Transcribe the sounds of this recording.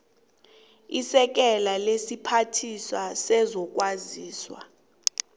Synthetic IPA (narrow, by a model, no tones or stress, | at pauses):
isɛk̬ɛlalesipʰatʰiswasɛzɔk̬ʼwaziːswa̰